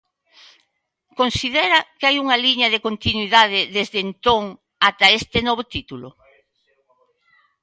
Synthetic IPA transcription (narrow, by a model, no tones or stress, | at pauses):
konsiðeɾɐkeajuŋɐliɲɐðekont̪inwiðað̞ɪðezðent̪oŋ | at̪ɐest̪ɪnɔβot̪it̪ulo̰